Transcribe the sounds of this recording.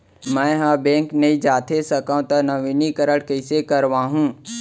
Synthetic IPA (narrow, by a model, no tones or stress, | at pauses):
mɛ̃ːɦãːbẽːŋknɐĩd͡ʒaːt̪ʰesɐkãũt̪ɐnɐʋinikɐɾəɽkɐɪsekɐɾʋãːɦũː